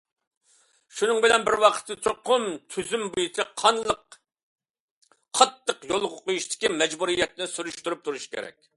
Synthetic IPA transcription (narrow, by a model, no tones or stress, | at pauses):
ʃunɨŋbɪlɛnbɪɾwɑqʰə̥t̪ːɨt͡ʃʰoqʰːʊmt̪ʰyzymbujut͡ʃʰɑqʰɑnlˠəq | ɑt̪ːəqjolˠʁʊqojuʃt̪ɪ̥kʲimɛd͡ʒbuɾijːɛt̪nɪsyɾyʃt̪yɾyp̚t̪ʰuɾuʃi̥kʲʰḛɾɛ̰k̚ʲ